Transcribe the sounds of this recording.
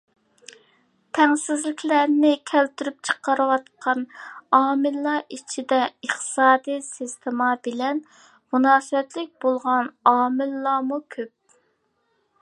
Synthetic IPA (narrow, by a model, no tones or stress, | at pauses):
t̪ʰɛŋsɪzlɪkʲʰlæɾnɪkʲʰælt̪ʰyɾyp̚t͡ʃʰə̥qəɾɨwɑt̪̚qʰɑnɑːmɪlːɑʔit͡ʃʰid̪ɛəχt̪ɨ̥sɑːd̪ijsist̪ʰɪmɑbɪlɛn | munɑːsɨwɛt̪lɪk̚ʲbolˠʁɑnɑːmɪlːɑmukʲʰøp̚